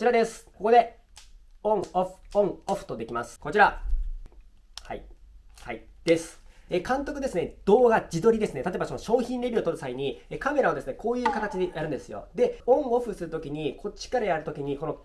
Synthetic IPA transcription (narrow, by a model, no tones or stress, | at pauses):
t͡ɕiɾad̪e̞sɨ̥koko̞d̪e̞ | õ̞ɴoɸõ̞ɴoɸɯ̟̥t̪o̞d̪e̞kʲimasɨ̥ko̞t͡ɕiɾa | ha̰ihaid̪̥e̞sɨ̥ekãnt̪o̞kɯ̟d̪e̞sɨned̪̥o̞ːɡad͡ʑid̪o̞ɾʲid̪e̞sɨnet̪at̪oebasono̞ɕo̞ːçĩnɾʲe̞bʲiot̪o̞ɾɯ̟̥saiɲ̟iekame̞ɾaod̪e̞sɨne̞ko̞ːjɯ̟ːkat̪at͡ɕid̪e̞jaɾɯ̟̃nd̪e̞sɨjo̞̰d̪e̞õ̞ɴ̃o̞ɸɯ̟sɨɾɯ̟t̪o̞kʲiɲ̟ikʰo̞t͡ɕi̥kaɾajaɾɯ̟t̪o̞kʲiɲ̟iko̞no̞